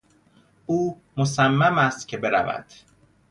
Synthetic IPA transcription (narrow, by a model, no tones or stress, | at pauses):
ʔuː | mosæmːæmæst̪cʲʰe̞be̞ɾæ̰væ̰d̪̥